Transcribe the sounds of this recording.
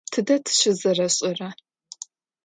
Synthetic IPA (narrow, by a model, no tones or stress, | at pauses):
tʰɨdɐtʰɨ̥ʃɪzɐrɐɕʼɪrɐ